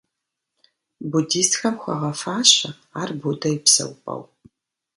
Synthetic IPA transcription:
budiːstxɐmxʷɐ̰ʁɐfaːɕɐ | aːrbudɐjɪpsɐ̰wpʼɐ̰w

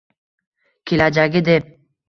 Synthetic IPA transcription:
kʲʰelad͡ʒaɡʲɪd̪ep̚

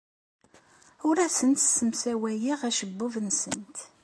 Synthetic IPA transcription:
ʊɾæsənt̪sːəmsæwæjiʁæʃəbːʊvənsə̰nt̪

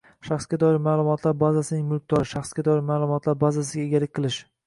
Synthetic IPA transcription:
ʃaχsɡʲad̪ɒɪɾmaːlˠʊmɒt̪ʰlaɾbazasɪnɪŋmʊlˠk̚ʲd̪ɒɾɪʃaχsɡʲad̪ɒɪɾmaːlˠʊmɒt̪ʰlaɾbazasɪɡʲaeɡʲalɪkʲqʰɨlˠɪʃ

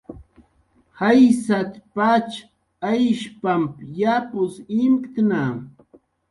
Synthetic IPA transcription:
hajsat̪pat͡ʃ | ajʃpampjapʊsɪmkt̪na

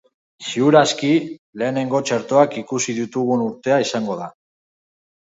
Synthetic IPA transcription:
siuɾaskile̞ːne̞ŋɡo̞t͡ʃeɾt̪oakikusiðut̪uɣunuɾt̪e̞aisaŋɡo̞ð̞a

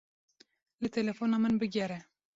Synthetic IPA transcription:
lɨt̪ʰɛlɛfonɑːmɨnbɨɡʲɛɾɛ

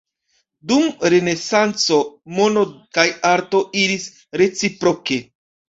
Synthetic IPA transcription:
dumɾe̞ne̞sant͡so̞mono̞kajaɾto̞iɾis | ɾe̞t͡sipɾoke̞

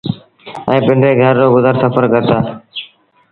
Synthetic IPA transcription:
ə̃ːpɪɳɖɾeːɡʱəɾːoːɡʊzəɾsəpʰəɾkəɾt̪aː

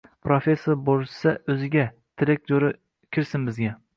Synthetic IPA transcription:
pʰɾofe̞sːoɾboɾsaɵzɪɡʲa | t̪ʰɪɾɪk̚ʲd͡ʒoɾɪ | kʲʰɪɾsɪnbɪzɡʲa

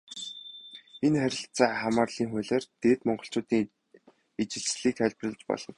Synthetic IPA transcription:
enχæɾʲɪ̆ɬt͡saːχamaːrɮiːŋxʊɮeːrt̪eːt̪mɔɴɢɞ̆ɬt͡ɕʊːt̪iːŋ | et͡ɕɪ̆ɮsɮiːkæɮʲprə̆ɮt͡ɕpɔ̰ɮɞ̆n

